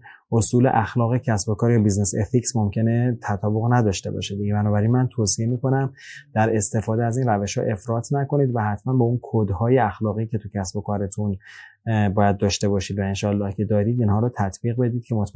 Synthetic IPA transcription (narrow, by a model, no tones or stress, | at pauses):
ʔosuːle̞̰ʔæxlɒːɣecʰæsbo̞kʰɒːɾjɒːbizneseficsmo̞mcʰe̞ne̞t̪ʰæt̪ʰɒːboɣnæd̪ɒʃt̪ebɒ̰ʃed̪iɟebænɒːbæɾinmænt̪ʰosie̞miːko̞næmd̪̥æɾe̞st̪e̞fɒːd̪eæzinræveʃhɒ̰ːʔe̞fɾɒːt̪ʰnæko̞niːd̪væhæt̪ʰmænbɒunkʰod̪hɒːjeæxlɒːɣicʲʰe̞t̪ʰucʰæsbo̞kʰɒːɾet̪ʰun | bɒːjæd̪̚ːɒːʃt̪e̞βɒːʃiːd̪væenʃɒːlːɒːhcʰe̞d̪ɒːɾiːd̪inhɒːɾɔːt̪ʰæt̪ʰbiːɣbe̞d̪iːd̪̥̚cʰe̞mot̪ʰ